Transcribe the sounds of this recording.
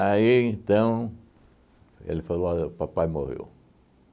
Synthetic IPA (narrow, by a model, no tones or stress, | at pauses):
aiẽnt̪ɐ̃w̃ | ḛlɪfaloaʊpapajmohḛw